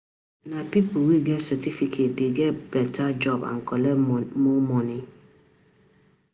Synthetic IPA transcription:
nãpipʰowiɡɛtsɔtʰifikʰet̚deɡɛbɛtʰad͡ʒɔbã̰ŋkʰɔlɛmʊ̃mɔ̃nɪ̃

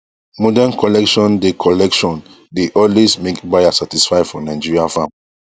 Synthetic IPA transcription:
mɔdankɔlɛkʃɔ̃ndekʰɔlɛkʃɔ̃n | deʔɔlwesmekbajasatisfaɪfɔnaɪ̃d͡ʒiɹiafãm

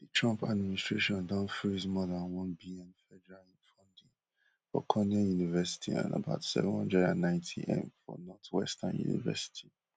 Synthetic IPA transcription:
ditʰɹɔ̃mpadministɹeʃɔ̃ndãnfɹizmɔðãnwɔ̃nbiɛ̃nfɛdɛɹalĩnfɔ̃ndĩ | fɔ̰kʰɔnɛ̃junivɛsi̥tʰḭã̰nə̰baʊtsɛ̰vɛ̃nhɔ̃ndɹɛdã̰nːãɪ̃ntʰḭʔɛ̰̃mfɔ̰nɔtwɛ̰stãnjṵnḭvɛ̰si̥tʰi̥

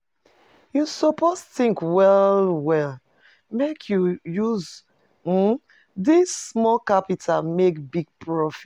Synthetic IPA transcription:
jusɔposθĩŋkwɛlwɛl | mekʰjujuz̩ | disːmɔkapitʰalmekbiɡ̚pʰɹɔfi

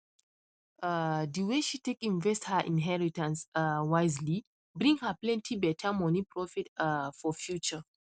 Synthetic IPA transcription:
adiweʃitekĩnvɛsthəʔḭ̃nɦɛɹitãnsawaɪzli | bɾĩŋhəplɛ̃ntʰibɛtʰəmɔnipɹɔfitfɔfjut͡ʃə

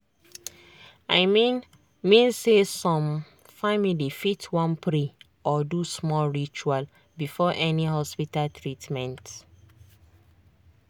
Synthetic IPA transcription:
aɪmi | mĩnsesɔ̃m | familifitʰwɔ̃npʰɹi | ɔdusmɔlɹit͡ʃual | bifɔʔɛniɦɔspitaltɹitmɛ̃nt

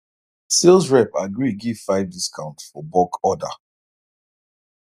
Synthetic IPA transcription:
selˠsɹɛpaɡɹiɡiv̥faɪvdiskʰãʊ̃ntfɔbɔkɔda̰

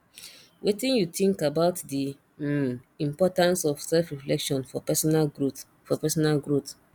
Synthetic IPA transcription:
wʔetĩnjutĩŋkabaʊtdi | ĩmpɔtãnsɔfsɛlfɹiflɛkʃɔ̃nfɔpɛsnaɡut | fɔpɛsɔnalɡɹut

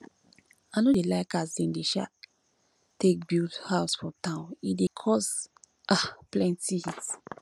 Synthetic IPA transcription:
anodelaɪkasdɛ̃ndeʃa̰ | tːek̚bilthaʊsfɹɔ̃mtãʊ̃nidekʰɔs | aplɛ̃ntihit

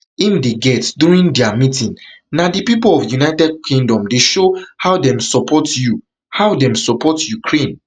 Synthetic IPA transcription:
imdeɡɛtduɹĩndɛamitĩn | nadipipolɔfjunaɪtɛd̚kʰĩŋdɔ̃mdeʃohawdɛ̃msɔpʰɔtju | haʊdɛ̃msɔpʰɔtjukʰɹẽn

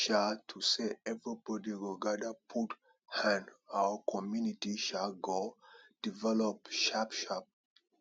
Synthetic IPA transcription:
ʃatʰuseɛvɹibɔdiɹuɡadapʰut | hãnawəkʰɔmjunitiʃaɡod̥ivɛlɔp̚ʃapʃap̚

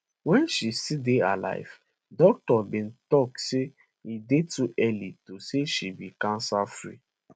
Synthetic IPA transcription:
wɛ̃nʃisidea̰la̰ɪv̥ | dɔk̚tɔbĩntɔk̚se | idetuʔɛlitoseʃibikãnsafɾḭ

